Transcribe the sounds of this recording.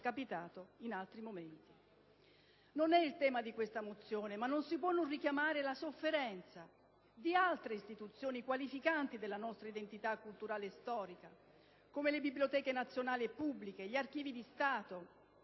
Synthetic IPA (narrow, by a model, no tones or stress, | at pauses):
kapit̪aːt̪oinalt̪ɾimoment̪i̥ | nonɛilt̪ɛːmad̪ikwest̪amot̪sːjoːnemanːonsipwɔnːonrikjamaːɾelasofːeɾɛnt̪sa | d̪ialt̪ɾeist̪it̪ut̪sːjoːnikwalifikant̪id̪elːanɔst̪ɾaid̪ent̪it̪akːult̪uɾaːlest̪ɔːɾika | komelebibljot̪ɛːkenat̪sːjonaːlipːubːlikeʎiark̟iːvid̪ist̪aːt̪o